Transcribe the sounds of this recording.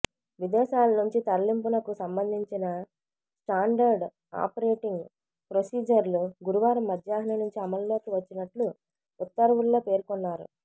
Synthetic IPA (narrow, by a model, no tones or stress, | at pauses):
ʋid̪ɛːʃaːlɐnuɲt͡ʃit̪ɐɾɐlimpunɐkusɐmbɐnd̪ʱiɲt͡ʃinɐ | sʈaːɳɖɐɾɖ | a̰ːpɐɾeːʈiŋɡ | pɾosiːd͡ʒɐɾluɡuɾuʋaːɾɐmːɐd̪ʱjaːɦɐnɐnuɲt͡ʃiɐmɐllo̞ːkiʋɐt͡ʃːinɐʈlu | ut̪ːɐɾʋulːo̞ːpeːɾkɔnːaːɾṵ